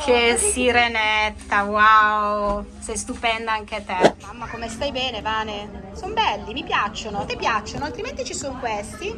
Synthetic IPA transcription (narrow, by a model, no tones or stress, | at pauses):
kʰesiɾenɛt̪ːawaoosɛjst̪upɛnd̪aaŋk̟et̪eamːakomest̪ajbɛːnevaːnesombɛlːimipjat͡ʃːonot̪epjat͡ʃːonoalt̪ɾiment̪it͡ʃisoŋkwest̪i